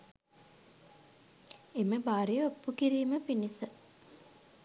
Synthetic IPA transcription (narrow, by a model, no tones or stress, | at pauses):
eməbaːɾijəopːukiɾiːməpinisə